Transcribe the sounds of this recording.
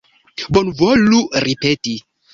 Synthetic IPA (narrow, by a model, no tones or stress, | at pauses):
bonvoluɾipeti